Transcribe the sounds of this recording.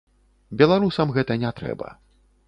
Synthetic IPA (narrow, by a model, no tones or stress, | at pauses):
bʲɛlˠaɾusɐmɣɛt̪ɐnʲat̪ɾɛ̰bɐ̰